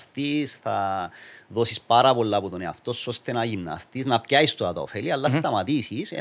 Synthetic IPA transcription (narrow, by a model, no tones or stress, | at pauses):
st̪isθɐ | ðo̞sispɐɾɐpo̞lːɐput̪oneɐ̰ft̪o̞sost̪e̞nɐʝimnɐ̰st̪iznɐpcɐist̪oɾɐt̪ɐo̰feliɐlːɐst̪ɐmɐt̪isise